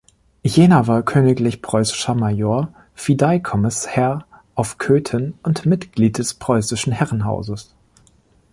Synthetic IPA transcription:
jeːnɐvaːɐkʰøːnɪklɪçpʁ̥ɔʏsɪ̥ʃɐmajoːɐ | fidaɪkʰɔmɪshɛɐ | ʔaʊfkʰøːtʰənʊntmɪtɡ̥liːt̚d̥ɛspʁ̥ɔʏsɪʃn̩hɛʁənɦa̰ʊzəs

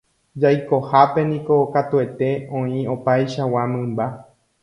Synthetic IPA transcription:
d͡ʒajko̞hape̞nĩko̞kat̪ue̞t̪e̞õĩo̞pajʃawamɨ̃mba

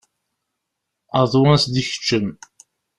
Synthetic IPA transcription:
əðˤwæsd̪içə̥t͡ʃːən

